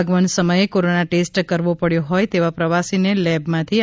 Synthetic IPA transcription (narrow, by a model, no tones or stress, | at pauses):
ɡʋəɳsəməjekoɾonaʈesʈkəɾʋopəɽjõɦɔjt̪eʋapɾəʋasinelɛbmãt̪ʰi